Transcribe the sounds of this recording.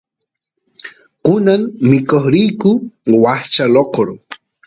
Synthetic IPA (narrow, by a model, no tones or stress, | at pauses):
kʊnaŋmɪkoχɾijkʊwaχt͡ʃaloqoɾ